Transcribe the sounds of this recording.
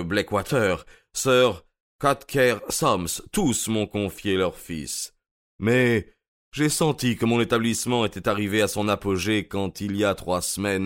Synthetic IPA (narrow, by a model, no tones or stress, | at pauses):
blɛkwat̪ʰœʁ | sœʁ | kat̪kʰɛʁsɔmst̪usmɔ̃kɔ̃fjelœʁfḭs | mɛ | ʒesɑ̃t̪ikəmɔ̃net̪ablismɑ̃et̪ɛt̪aʁiveasɔ̃napoʒekɑ̃t̪ilijat̪χwasmɛn